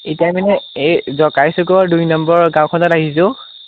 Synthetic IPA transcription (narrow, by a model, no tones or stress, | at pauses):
etajmanɛezɔkajsʊkɔɹdujnɔmbɔɹɡãw̃kʰɔnɔtaɦis̬ʊ̃